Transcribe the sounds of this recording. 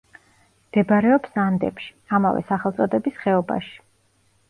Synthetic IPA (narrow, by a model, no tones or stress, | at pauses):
md̪̥ɛbɾɛɔpsand̪ɛ̰pʃi̥ama̰vɛ̰saχɛlˠt̪sʼɔd̪ɛbisχɛɔba̰ʃi̥